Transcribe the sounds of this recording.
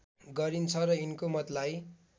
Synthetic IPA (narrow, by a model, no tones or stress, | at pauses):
ɡʌɾint͡sʰʌɾʌinkomʌt̪laj